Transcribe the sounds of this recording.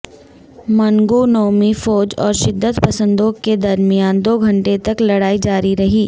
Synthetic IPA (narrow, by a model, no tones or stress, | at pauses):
mɐŋɡunoːmifɔːd͡ʒɔ̰ːɾʃɪd̪ːət̪pɐsə̃nd̪õked̪ɐɾmijaːnd̪oːɡʱɐ̃ɳʈet̪ɐklɐɽaːid͡ʒaːɾiɾɐɦiː